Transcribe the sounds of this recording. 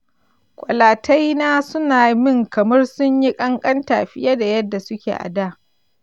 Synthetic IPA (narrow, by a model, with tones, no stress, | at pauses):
kʷʼɔ̰˨laː˨tʰa˦jnaː˦sʊ˦naː˨mɪ˦˨ŋkɐ˨mɐ˦rsʊ˦ɲji˦kʼɐ˦ŋkʼɐ˦nta̰ː˨ɸɪ˦ja˦da˨jɐ˦dːa˨sʊ˦kʲḛː˨ʔa̰˨daː˦˨